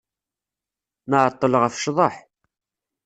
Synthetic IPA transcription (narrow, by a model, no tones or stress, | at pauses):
nəʕət̪ˤːəlʁəfʃðˤəħ